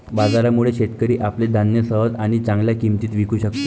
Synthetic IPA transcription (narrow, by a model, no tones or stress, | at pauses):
bad͡zaɾamuɭeɕeʈkəɾiːʔapled̪ʱanjəsəɦəd͡z̪aɽ̃it͡sãŋɡljakimt̪iːt̪ʋikʰuːɕəkt̪o